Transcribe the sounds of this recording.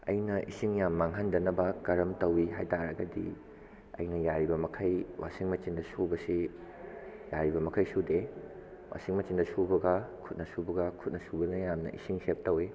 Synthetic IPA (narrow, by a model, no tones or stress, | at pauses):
ɐ̰jnɐʔḭsiŋjamːaŋɦɐndɐnɐbɐkɐɾɐmtɐwiɦajtaɾɐɡɐdḭ | ɐ̰jnɐjaɾibɐmɐkʰɐjwa̰siŋmɐt͡ʃindɐsubɐsi | jaɾibɐmɐkʰɐjsude | wa̰siŋmɐt͡ʃindɐsubɐɡɐkʰut̚nɐsubɐɡɐkʰut̚nɐsubɐnɐjamnɐ̰ʔḭsiŋsep̚tɐwi